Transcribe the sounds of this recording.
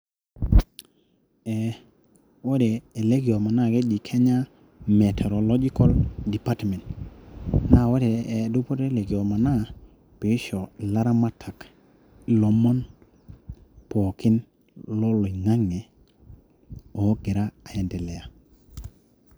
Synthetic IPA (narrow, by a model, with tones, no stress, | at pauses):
ɛ˨ | wo˦dɛː˨le˦ɡi˨o˨ma˨na˦˨ke˦d͡ʒi˨kʰe˦ɲa˦ | me˨tʰe˨ɾɔ˨lɔ˦d͡ʒi˦kɔ˦ldi˨pa˦tmɛ˨t | na˦˨wo˦dɛ˨du˦po˦ɾe˦le˨ɡi˨o˨ma˨na˦ | pi˨˦ʃɔ˨la˦ɾa˦ma˦tʰa˨k | i˨lɔ˨mɔ˦n | pɔ˨ki˦n | lɔ˦lo˨ŋa˦ŋɛ˨ | ɔ˨˦ɡɛ˨ɾa˦a˨ɛ˨ndɛ˨lɛ˨a˨